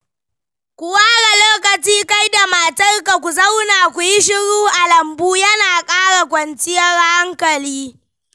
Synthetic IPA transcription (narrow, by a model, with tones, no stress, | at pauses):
kʷu˨waː˦ɽa˨loː˦kɐ˨t͡ʃiː˦ka˦jda˨ma˨tɐ˦rka˨kʷu˨zɐ˦wnaː˨kʷu˨ji˦ʃ̬ɪ˦ɽuː˦ʔa˨lɐ˨mbuː˦jɐ˦naː˨kʼaː˦ɽa˨kʷɐ˨nt͡ʃɪ˦jɐ˦ɽha˦ŋkɐ˨liː˦